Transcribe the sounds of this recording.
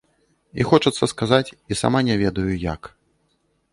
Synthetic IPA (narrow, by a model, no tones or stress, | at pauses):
ixɔt͡ʂɐt̪sːɐskazat͡sʲisa̰manʲavʲɛd̪ɐjuja̰k